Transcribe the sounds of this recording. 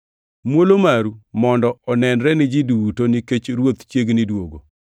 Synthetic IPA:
mwolomaɾumɔndɔɔnɛnɾɛnɪd͡ʒidutoniket͡ʃɾwot̪t͡ʃjeɡnidwoɡo̰

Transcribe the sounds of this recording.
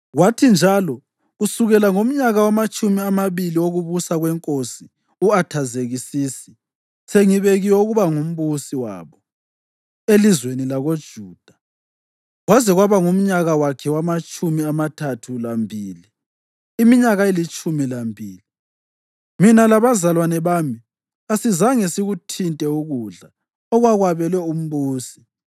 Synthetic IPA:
ɣwatʰind͡ʒʱalɔ | usuɣɛlaŋom̩ɲaɣawamat͡ʃʼumiamaβilioɣuβusaɣwɛŋkʼosi | uatʰazeɣisiːsi̥ | seŋiβeɣiwɔuɣuβaŋum̩βusiwa̰ːβɔ | elizwenilaɣod̥ʒ̥ʱuːd̥ʱa | ɣwazɛɣwaβaŋum̩ɲaɣawakʰɛwamat͡ʃʼumiamatʰatʰulambʱiːliː | miɲaɣaelit͡ʃʼumilambʱiːli | minalaβazalwanɛβaːmi | asizaŋesiɣutʰintʼɛuɣuɮa | ɔɣwaɣwaβɛlwɛum̩βuːsi̥

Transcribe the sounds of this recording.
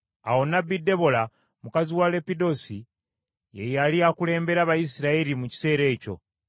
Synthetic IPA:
a̰wo̞nabide̞βo̞la | mukaziwale̞pido̞si | je̞jaliakule̞ːmbe̞ɾaβajisiɾaeɾimuci̥se̞ːɾe̞ːco̞̰

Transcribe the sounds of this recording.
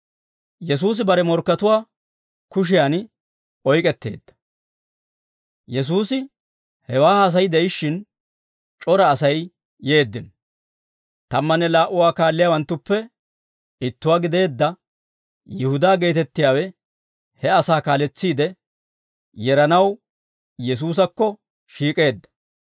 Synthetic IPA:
jɛs̬uːs̬ɪbɐɾɛmɔɾkːɐt̪ʊwaː | kʊʃ̬ɪjaːn | ɔjkʼɛt̪ːe̞ːd̪ːɐ̥ | jɛs̬uːsɪ | hɛwaːas̬ɐjd̪ɛɪʃːɪn | t͡ʃʼɔɾɐːsɐj | je̞ːd̪ːɪn | t̪ɐmːɐnɛlaːʔʊwaːkaːlːɪjaːwɐnt̪ːʊpːɛ | ɪt̪ːʊwaːɡɪd̪e̞ːd̪ːɐ | jɪhʊd̪aːɡe̞ːt̪ɛt̪ːɪjaːwɛ | hɛɐsaːkaːlɛt͡sːiːd̪ɛ | jɛɾɐnɐw | jɛs̬uːs̬ɐkːɔ | ʃiːkʼe̞ːd̪ːɐ̥

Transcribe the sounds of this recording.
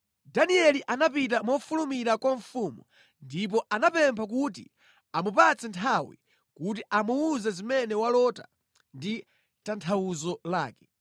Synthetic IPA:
daniɛliʔanapit̬amɔfulumiɾakwaɱfuːmu | ndip̬ɔʔanapɛmpʰak̬ut̬ḭ | amupat͡sɛntʰawḭ | kut̬iʔamuuzɛzimɛnɛwalɔta | ndi | tantʰawuzɔlaːkɛ̥

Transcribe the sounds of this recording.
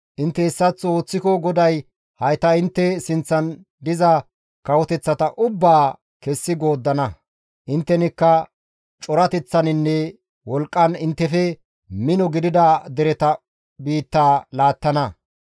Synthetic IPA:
ʔɪnt̪ːɛɪsːɐt͡sːo̞ːt͡sːɪkɔɡɔd̪ɐj | hɐjt̪ɐɪnt̪ːɛsɪnt͡sːɐn | d̪ɪzɐ | kɐwɔt̪ɛt͡sːɐt̪ɐʔʊbːaː | kɛsːɪɡo̞ːd̪ːɐnɐ | ʔɪnt̪ːɛnɪkːɐ | t͡ʃʼɔɾɐt̪ɛt͡sːɐnɪnːɛ | wɔlkʼːɐnɪnt̪ːɛfɛ | mɪnɔɡɪd̪ɪd̪ɐd̪ɛɾɛt̪ɐ | biːt̪ːaːlaːt̪ːɐnɐ

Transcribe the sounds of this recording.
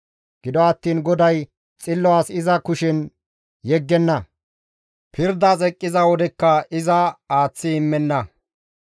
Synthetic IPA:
ɡ̥ɪd̪ɔɐt̪ːiːnɡɔd̪ɐj | t͡sʼɪlːɔaːsɪzɐkʊʃɪn | jɛɡːɛnːɐ | pʰɪɾd̪ɐt͡sʼɛkʼːɪzɐwɔd̪ɛkːɐɪzɐaːt͡sːɪɪmːɛnːɐ

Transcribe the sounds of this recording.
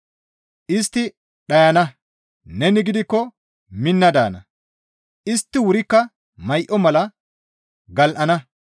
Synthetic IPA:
ʔɪst̪ːɪ | ɗɐjɐnɐ | nɛnɪɡɪd̪ɪkːɔ | mɪnːɐd̪a̰ːnɐ̰ | ʔɪst̪ːɪwʊɾɪkːɐ | mɐjʔɔmɐlɐ | ɡɐlʔɐnɐ

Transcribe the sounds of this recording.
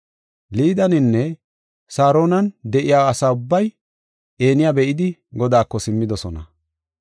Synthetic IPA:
liːd̪ɐnɪnːɛ | saːɾo̞ːnɐnd̪ɛʔɪjaːɐsaːʊbːɐj | e̞ːnɪjaːbɛʔɪd̪ɪɡɔd̪aːkːɔsɪmːɪd̪ɔsɔnɐ̰

